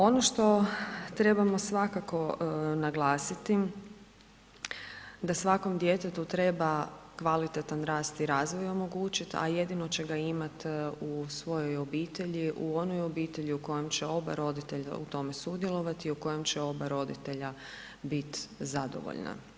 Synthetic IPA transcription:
o̞noʃt̪o̞t̪ɾe̞bamo̞sʋakako̞naɡlˠaːsit̪i | d̪asʋako̞md̪je̞t̪et̪ut̪ɾe̞bakʋalit̪et̪anɾaːst̪iɾaːzʋojo̞mo̞ɡuːt͡ɕit̪a̰je̞d̪ino̞t͡ɕeɡaimat̪usʋo̞jo̞jo̞biːt̪eʎiʔuo̞nojo̞biːt̪e̞ʎiuko̞je̞mt͡ɕeo̞ba̰ɾo̞d̪it̪e̞ʎa̰ṵt̪o̞me̞sud̪jelˠo̞ʋat̪iuko̞je̞mt͡ɕeo̞baɾo̞d̪it̪e̞ʎa | bit̪zad̪o̰ʋo̰ʎna̰

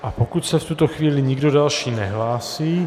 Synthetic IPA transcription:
ʔapokut̪sɛft̪ut̪oxviːlɪɲiɡdodalʃiːnɛɦlaːsiː

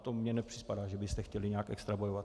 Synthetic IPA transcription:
t̪omɲɛnɛpr̥ɪspadaːʒɛbɪst̪ɛxcɛlɪɲɛakʔɛ̰kst̪ɾabojovat̪

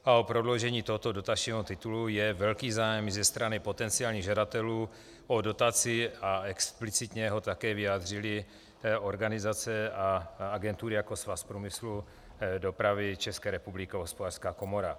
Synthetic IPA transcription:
ʔaopɾo̞dlo̞wʒɛɲiːt̪oɦot̪odo̞t̪at͡ʃɲiːɦot̪ɪt̪ulujɛvɛlkiːzaːjɛmzɛst̪ɾanɪpo̞t̪ɛnt͡sɪaːlɲiːɣʒadat̪ɛluː | ʔodo̞t̪at͡sɪaɛksplɪt͡sɪt̪ɲɛɦo̞t̪akɛːvɪjaːd̪r̝ɪlɪ | o̞ɾɡanɪzat͡sɛaaɡɛnt̪uːɾɪjako̞svaspɾuːmɪslu | do̞pɾavɪt͡ʃɛskɛːɾɛpublɪkɪoɦospodaːr̥skaːko̞mo̞ɾa

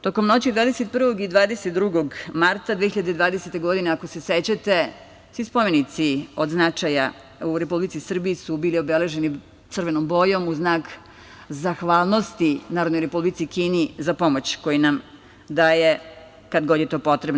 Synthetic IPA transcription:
t̪oːko̞mno̞t͡ɕid̪vʋaːd̪eset̪̚pr̩ʋoɡid̪ʋaːd̪eset̪̚d̪ɾuɡoɡmaɾt̪ad̪ʋeçiʎad̪ed̪ʋaːd̪eset̪e̞ɡo̞d̪ineakose̞set͡ɕat̪e̞ | sʋispome̞nit̪sio̞d̪znat͡ʃaja | uɾe̞publit̪sisr̩biisubiːlio̞bele̞ʒe̞ni | t̪r̩ʋe̞nombo̞jo̞muznaːk | zaxʋaːlˠno̞st̪inaːɾod̪noɾe̞publit̪sikiːnizapo̞mot͡ɕko̞jinam | d̪aje | kad̪ɡo̞d̪je̞t̪o̞ːpo̞t̪ɾeb

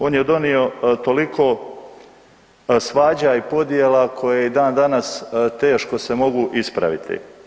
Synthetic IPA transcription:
o̞ːnjed̪o̞nio̞t̪o̞likʰo̞ | sʋaːd͡ʑaipo̞d̪jeːlakʰo̞jeeid̪aːnd̪anast̪e̞ːʃko̞se̞mo̞ɡuʔispɾa̰ʋḭt̪ʰḭ

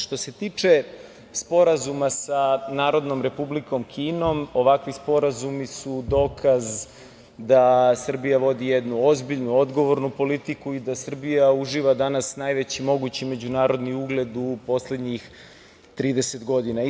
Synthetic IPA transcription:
ʃt̪o̞se̞t̪iːt͡ʂe | spo̞ɾazumasanaːɾo̞d̪nomɾe̞publiko̞mkʰiːno̞mo̞ʋakʋispo̞ɾazumisud̪o̞ːkʰaz | d̪asr̩bijaʋo̞d̪ijed̪nuo̞zbiʎnuo̞d̪ɡo̞ʋo̞ɾnupo̞lit̪ikuid̪asr̩bijauʒiːʋad̪anasnajʋet͡ɕimo̞ɡut͡ɕime̞d͡ʑunaːɾo̞d̪niuɡle̞d̪upo̞sle̞d̪ɲix | t̪ɾiːd̪ese̞t̪ɡo̞d̪ina

